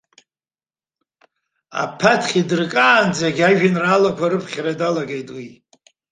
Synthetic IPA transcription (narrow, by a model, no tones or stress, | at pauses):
a̰pʰatʰχʲidɨrkʼaːnd͡zaɡʲaʒᶣɪnraːlakʷʰaɾɨpʰχʲradalaɡejtʼwi